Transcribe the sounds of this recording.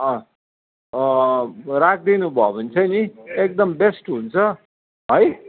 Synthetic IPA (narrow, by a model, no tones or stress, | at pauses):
ʌ̃ | ɾak̚ʰd̪inubʱʌbʌnt͡sʰʌjniek̚d̪ʌmbesʈɦunt͡sʰʌ | ɦʌj